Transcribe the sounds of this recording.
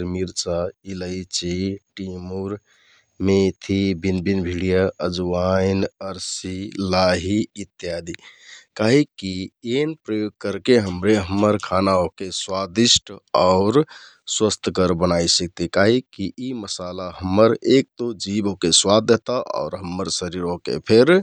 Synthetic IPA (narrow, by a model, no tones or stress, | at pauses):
ɾmiɾt͡ʃailəjt͡ʃiʈimuɾ | met̪ʰibinbinbʱiɽijaəd͡ʒuwajnəɾsilaɦiːt̪ːjad̪ikaɦikːienpɾəjoɡ̚kəɾkeɦəmɾeɦəmːəɾkʰanaɦokeswad̪isʈʰaʊɾ | swəst̪ʰəkəɾbənajsək̚t̪ikaɦikːiʔiməsalaɦəmːəɾek̚t̪od͡ʒibɦokeswad̪ːet̪aʔɔ̰ʊɾɦəmːəɾsəɾiɾɦokḛpʰeɾ